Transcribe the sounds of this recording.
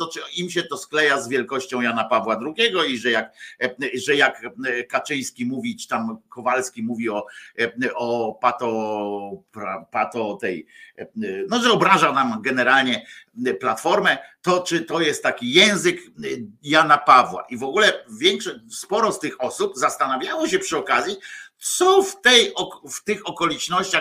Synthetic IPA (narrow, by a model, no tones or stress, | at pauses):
t̪ɔt͡ʂɨimɕɛt̪ɔsklɛjazvʲjɛlkɔɕt͡ɕɔ̃w̃janapavwad̪ɾuɡʲɛɡɔiʐɛjak | ʐɛjakkːat͡ʂɘj̃skʲimuvʲit͡ʂɨ̥t̪amkɔvalskʲimuvʲiɔ | ɔpat̪ɔ | pɾapat̪ɔt̪ɛj | nɔʐɛɔbɾaʐanamɡɛnɛɾalɲɛplat̪fɔɾmɛt̪ɔt͡ʂɘt̪ɔjɛst̪ːakʲijɛ̃w̃zɘkjanapavwa̰ʔivɔɡulɛvʲjɛŋkʂɔspɔɾɔst̪ɘxɔsupzast̪anavʲjawɔɕɛpʂɘɔkazʲjit̪sɔft̪ɛjɔft̪ɘxɔkɔlʲit͡ʂnɔɕt͡ɕa